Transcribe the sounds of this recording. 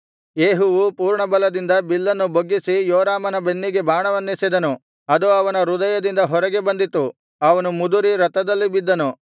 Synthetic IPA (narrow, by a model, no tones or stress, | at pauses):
jeːɦuʋupuːɾɳɐbɐlɐd̪ind̪ɐbilːɐnːuboɡːisijoːɾaːmɐnɐbe̞nːiɡe̞bʱaːɳɐʋɐnːisid̪ɐnu | ɐd̪uɐʋɐnɐɾud̪ɐjɐd̪ind̪ɐɦɔɾɐɡe̞bɐnd̪it̪ːu | ɐʋɐnumud̪uɾiɾɐt̪ɐd̪ɐlːibid̪ːɐnu